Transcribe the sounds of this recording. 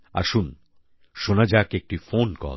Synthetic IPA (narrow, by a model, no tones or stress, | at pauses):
a̰ʃun | ʃonad͡ʑakek̚ʈifonkɔ̰